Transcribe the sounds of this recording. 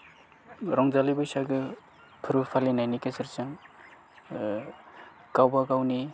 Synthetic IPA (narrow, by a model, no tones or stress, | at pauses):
ɾɔŋzalibɯjsaɡɯ | kʰɯɾupʰalinajnikeseɾsaŋ | kawbaɡawni